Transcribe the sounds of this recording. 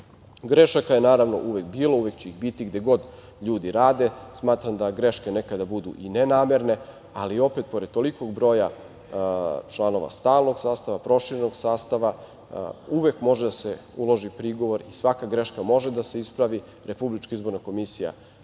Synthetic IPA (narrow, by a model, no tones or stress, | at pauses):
ɡɾeʃakaje̞naːɾaʋno̞̰ʔuʋekbiːlˠoujekt͡ɕeixbit̪iɡd̪e̞ɡo̞d̪ | ʎuːd̪iɾaːd̪e̞smaːt̪ɾamd̪aɡɾeʃke̞ne̞kad̪abud̪ṵʔinenaːmeɾne̞ | alio̞pet̪̚po̞ɾed̪̚t̪o̞liko̞ɡbɾo̞ja | t͡ʃlˠano̞ʋa̰st̪aːlˠnoɡsaːst̪aʋapɾo̞ʃiːɾenoɡsaːst̪aʋa | uʋe̞kmo̞ʒed̪aseulˠo̞ʒipɾiɡo̞ʋo̞ɾisʋakaɡɾe̞ʃkamo̞ʒe̞d̪ase̞ispɾaʋi | ɾe̞publit͡ʃkaizbo̞ɾnako̞misija̰